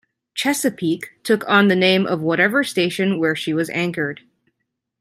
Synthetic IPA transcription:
t͡ʃʰɛsɨpʰiktʰʊkn̩ðɨnẽɪ̃mʔʌ̰vwʌɾɛvə˞steɪʃɨ̃nwə˞ʃiwʌzæ̃ŋkə˞d̥

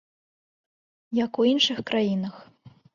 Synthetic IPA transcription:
jɐkuinʂɨxkɾʔajinɐx

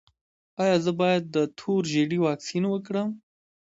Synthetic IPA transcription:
ɑjɑzəbɑjad̪̚ːət̪ʰoɾʒeɽiwɑksinwəkɽəm

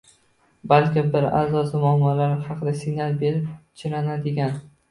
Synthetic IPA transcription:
balkʲɪbɪɾa̰zɒsɪmʊamːɒlaɾhɑqʰɨd̪asɪɡnalˠbeɾɪp̚t͡ʃʰɪɾanad̪ɪɡʲan

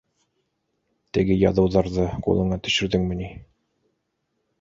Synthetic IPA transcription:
t̪ɘ̆ɡɘjɑ̰ðɤ̆wðɑɾðɤqṵlˠɤ̆ɴɑt̪ɵ̆ʃɵ̆ɾðɘŋmɘ̆ni

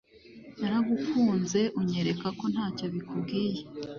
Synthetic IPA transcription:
naɾaɡukuːnze̞ʔuɲe̞ɾe̞kako̞n̥haːcoβikubɡiːje

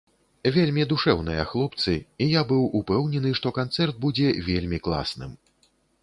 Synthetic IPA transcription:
vʲelʲmʲid̪uʂɛwnɨ̰jɐ̰xlˠɔpt̪sɨijabɨwupɛwnʲɛnɨʂt̪ɔkant̪sɛrd̪̚bud͡zʲɛvʲelʲmʲiklˠa̰snɨm

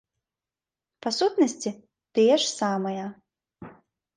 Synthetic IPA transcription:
pasut̪nɐsʲt͡sʲi | t̪ɨjɛʂsamɐjɐ

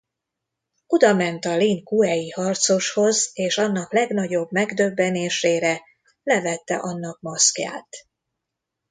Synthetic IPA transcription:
od̪ɒmɛnt̪ɒliːnkuɛjihɒrt̪so̞ʃho̞zeːʃɒnːɒklɛɡnɒɟo̞bmɛɡd̪øbːɛneːʃeːɾɛ | lɛvɛt̪ːɛ̰ʔɒnːɒk̚mɒskja̰ːt̪

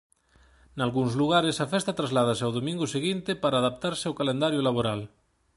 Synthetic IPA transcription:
nalɣuŋzluɣaɾesafɛst̪at̪ɾazlað̞aseawðomĩŋɡʊseɣint̪ɪpaɾaːðap̚t̪aɾsawkalẽnd̪aɾjolaβ̞oɾal

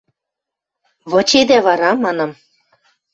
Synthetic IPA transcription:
βɤ̆t͡ɕed̪æβɑɾɑmɑnɤ̆m

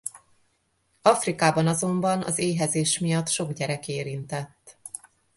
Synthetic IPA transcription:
ɒfrikaːbɒnɒzo̞mbɒnɒ̰zeːɦɛzeːʃmijɒt̪ʃo̞ɡɟɛɾɛkeːɾint̪ɛt̪ː

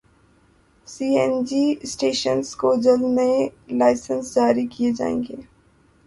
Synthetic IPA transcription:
siːɛnd͡ʒisʈeːʃənskoːd͡ʒəlmẽlaːɪsənsd͡ʒaːɾikijed͡ʒa̰ːḛ̃ːŋɡeː

